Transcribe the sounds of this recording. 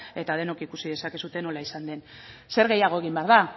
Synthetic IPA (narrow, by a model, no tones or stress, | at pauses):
e̞t̪að̞e̞no̞kikusiðe̞sake̞sut̪e̞no̞laisand̪e̞nse̞ɾɣe̞jaɣ̞o̞eɣ̞imbe̞aɾða